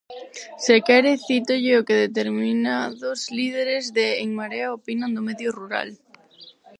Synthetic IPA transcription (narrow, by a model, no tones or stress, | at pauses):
sekeɾeθit̪oʝeokeð̞et̪eɾminaðozlið̞eɾezðeːŋmaɾeaopinãnd̪omeðjoruɾa̰l